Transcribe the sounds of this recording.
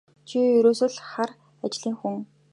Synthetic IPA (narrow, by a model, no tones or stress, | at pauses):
t͡ɕʰijɵɾoːsɵ̆ɮχar | at͡ɕɪɮiːŋxuŋ